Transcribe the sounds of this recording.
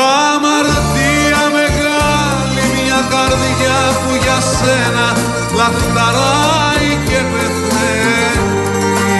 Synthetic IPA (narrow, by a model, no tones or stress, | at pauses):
a | maɾ | t̪i | ameɣ | a | llimiakaɾðiʝa | puʝas | ena | lat̪nd̪aɾa | jkepet̪ | e